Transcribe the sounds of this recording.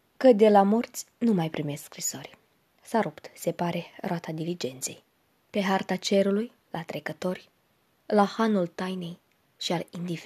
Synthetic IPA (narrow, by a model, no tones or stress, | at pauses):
kəd̪e̞lamo̞rt̪sʲnumajpɾime̞skskɾiso̞rʲ | saɾupt̪se̞paɾe̞roat̪ad̪ilid͡ʒe̞nt̪se̞̰j | pe̞ɦart̪at͡ʃe̞ɾuluj | lʔat̪ɾe̞kət̪o̞rʲ | lahanult̪ajne̞j | ʃialind̪if